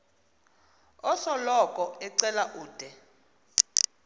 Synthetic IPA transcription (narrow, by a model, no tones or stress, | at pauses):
ɔsɔlɔkʼɔɛǀɛlaʔuːd̥ʱɛ